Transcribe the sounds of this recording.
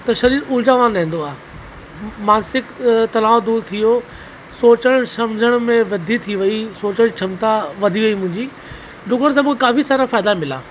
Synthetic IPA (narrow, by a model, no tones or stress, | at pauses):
t̪ɐʃɐɾiːɾʊld͡ʑaːʋãɗɛɦẽːn̆d̪oaː | maːsɪkt̪ɐnaːod̪uːɾt̪ʰijo | soːt͡ɕəɽ̃sɐmd͡ʑʱəɽ̃mẽʋɐd̪ʱit̪ʰiʋɐisoːt͡ɕəɽ̃t͡ɕʰɐmt̪aʋɐd̪ʱiʋɐimʊ̃ɦɪ̃ɲd͡ʑiː | ɖʊkəɽ̃s̬ɐbkʰekaːfisaːɾafaːɪd̪amɪlaː